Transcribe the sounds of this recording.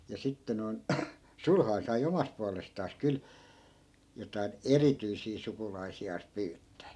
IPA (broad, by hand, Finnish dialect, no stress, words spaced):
jɑ sitːe noi̯n sulhɑi̯n sɑi omɑst puɑlestɑːs kyl jotɑin erityisiː sukulɑisiɑːs pyːtːæː